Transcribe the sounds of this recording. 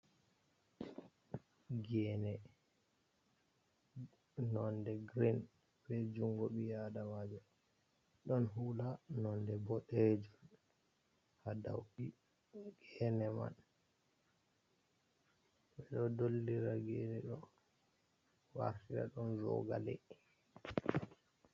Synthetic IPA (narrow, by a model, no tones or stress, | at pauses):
ɡɛnɛ | nɔndɛɡɾin | bɛd͡ʒuŋɡɔɓijadamad͡ʒɔ | ɗɔnɦulanɔndɛbɔɗed͡ʒun | hadawɓi | ɡ̥ɛnɛma̰n | ɓbɛɗɔdolːiɾaɡenɛɗɔ | wa̰ɾtiɾa̰ɗɔnzɔ̰ɡa̰lɛ̰